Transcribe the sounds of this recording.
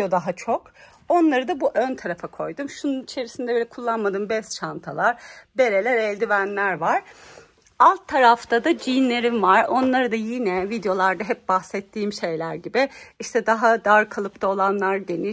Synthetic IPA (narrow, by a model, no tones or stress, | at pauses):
od̪aɦat͡ʃʰok | o̞nlˠaɾɯd̪abuʔønt̪ʰaɾafakʰo̞jd̪umʃununit͡ʃʰe̞ɾisind̪ɛbølʲɛkʰulˠːanmad̪ɯmbɛst̪ʃant̪ʰalˠaɾbe̞ɾe̞lʲɛɾɛlʲd̪ivænlʲæɾvaɾ̥ | alˠt̪ʰːaɾaft̪ʰad̪ad͡ʒijnlʲe̞ɾimvaɾo̞nlˠaɾɯd̪ajinɛvid̪jo̞lˠaɾd̪aɦɛp̚baxsɛt̪ʰːiːmʃe̞jlʲæɾɟibɪiʃt̪ʰɛd̪aɦad̪aɾkʰalˠɯpt̪ʰao̞lˠanlˠaɾd̪eni